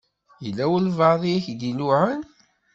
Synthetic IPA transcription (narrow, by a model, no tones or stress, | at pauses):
jəlːæwəlvɑðˤiæçd̪inuʕən